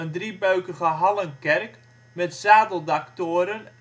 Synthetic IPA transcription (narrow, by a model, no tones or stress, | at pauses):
əndribœɥkəχəɦɑlˠənkɛrk | mɛtsaːdəlˠdaktoːɾən